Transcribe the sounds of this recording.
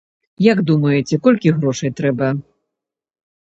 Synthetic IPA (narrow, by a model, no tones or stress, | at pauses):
jaɡd̪umɐjɛt͡sʲɛkɔlʲkʲiɣɾɔʂɐjt̪ɾɛbɐ